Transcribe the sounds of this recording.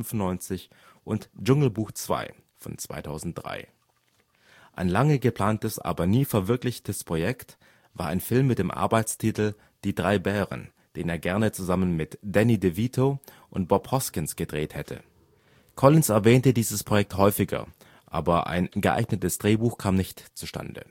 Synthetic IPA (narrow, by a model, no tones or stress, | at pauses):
nfʊnːɔʏnt͡sɪç | ʔʊntd͡ʒʊŋl̩buːxt͡sv̥a̰ɪ | fɔ̰nt͡sv̥a̰ɪtʰaʊzn̩t̚d̥ʁa̰ɪ | ʔa̰ɪnlaŋəɡəpl̥aːntəsʔa̰ːbɐniːfɛɐvɪɐklɪçtəspʁ̥ojɛkt | vaːɐaɪnfɪlmːɪt̚d̥eːmʔa̰ɐbaɪt͡stʰitl̩ | d̥iːdʁaɪbɛːʁə̰n | d̥eːneːɐɡɛɐnət͡suzamənmɪtd̥ɛnidevitʰo | ʔʊnt̚b̥ɔphɔskɪnsɡ̥ədʁeːthɛtʰə̰ | kʰɔlɪnsɛɐvɛːntədiːzəspʁ̥ojɛk̚thɔʏfɪɡɐ̰ | ʔa̰ːbɐʔa̰ɪnɡəʔa̰ɪɡnətəsd̥ʁeːbuːxkʰaːmnɪçtt͡suʃtʰa̰ndə̰